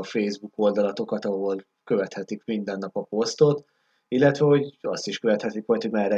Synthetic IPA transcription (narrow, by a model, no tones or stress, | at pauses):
feːzbuko̞ld̪ɒlɒt̪o̞kɒt̪ɒɦo̞l | kø̞vɛt̪hɛt̪ikmind̪ɛnːɒpɒpo̞st̪o̞t̪ | ilːɛt̪ʋɛho̞ɟɒ̰st̪iʃkøvɛt̪hɛt̪ikʋojt̪omaːrɛ